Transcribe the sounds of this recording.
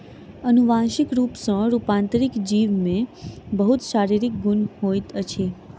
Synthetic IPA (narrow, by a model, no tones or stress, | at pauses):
ənuʋãʃikɾupsə̃ɾupãnt̪ɾikd͡ʒiʋmẽbəɦut̪ʃaɾiɾik̚ɡunɦojt̪ət͡ʃʰe